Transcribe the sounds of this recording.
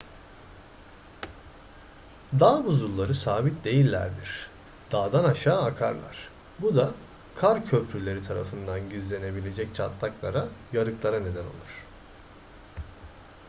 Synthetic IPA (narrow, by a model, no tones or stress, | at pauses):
d̪aːbuzulˠːaɾɯsaːbit̪d̪e̞jilʲːæ̰ɾd̪iɾ̥ | d̪̥aːd̪anaʃaːakʰaɾlˠa̰ɾ̥ | bud̪a | kʰaɾcʰøpʰɾylʲe̞ɾit̪ʰaɾa̰fɯnd̪anɟizlʲe̞ne̞bilʲe̞d͡ʒɛc̚t͡ʃʰat̪lˠaklˠaɾajaɾɯklˠaɾane̞d̪æno̞̰lˠuɾ̥